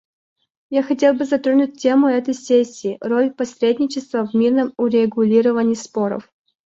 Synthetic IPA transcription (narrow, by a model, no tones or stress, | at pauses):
jaxɐtʲe̞lˠbɨzɐt̪ɾonʲʊt̚ʲtʲːemʊɛt̪əjsʲesʲːɪːrolʲpɐsɾʲed̪ʲnʲɪt͡ɕɪst̪vəvmʲirnəmʊɾʲɪɡʊlʲiɾəvənʲɪːspoɾə̰f